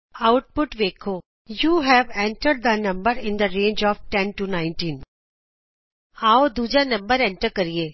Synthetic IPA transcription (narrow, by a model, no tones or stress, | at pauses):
aʊʈ̚pʊʈʋeːkʰoː | juːɦɛʋɛ̃ɳʈəɾɖ̚d̪ənɐ̃mbəɾɪ̃nd̪əɾẽːnd͡ʒɔːfʈɛ̃nʈunãɪ̃nʈĩːn | aːod̪uːd͡ʒanɐ̃mbəɾɛ̃ɳʈəɾkɐɾieː